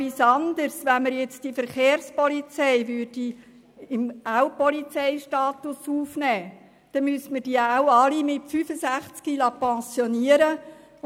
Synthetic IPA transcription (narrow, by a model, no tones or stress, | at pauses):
isɑnd̪əɾsʋɛnməɾjɛt͡sd̥ifəɾχeːrspɔlit͡sɛjʋʏːdi | ɪmaʊpɔlit͡sɛɪʃtɑːt̪ʊsuːfnɛː | d̪̥ɛmystmərd̥iawɑlimɪtfyːfəsæχt͡skilɑpɛ̃sjɔniəɾə